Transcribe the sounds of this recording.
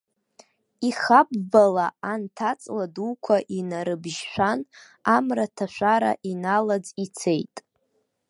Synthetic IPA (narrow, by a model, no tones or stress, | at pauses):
iχabbalaantʰat͡sʼladuːkʷʰaʔinaɾɨbʒʃʷan | amratʰaʃʷaɾa̰ʔinalad͡zit͡sʰejtʼ